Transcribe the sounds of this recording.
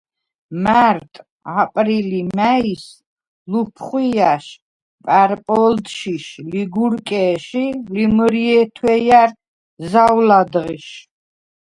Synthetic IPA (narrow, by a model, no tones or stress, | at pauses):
maɾt̪ʼ | apʼɾilimais | lupʰχwiaʃ | pʼaɾpʼɔld̪ʃiʃliɡuɾkʼɛːʃilimɾiɛt̪ʰwɛjaɾ | zawlad̪ʁiʃ